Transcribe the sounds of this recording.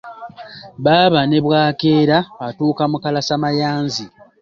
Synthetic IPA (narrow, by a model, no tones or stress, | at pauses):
βaːβane̞βwaːke̞ːɾaːtuːkamukalasamajaːnzi